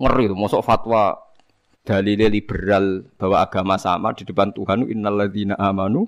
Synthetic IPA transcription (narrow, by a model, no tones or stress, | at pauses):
ŋərit̪umɔsɔʔfat̪wa | d̪̥a̤lilelib̥əɾalb̥a̤waʔaɡ̥amasa̰ma̰d̪̥i̤d̥ə̤pant̪uɦanʔɪnːalːaðinaʔamanu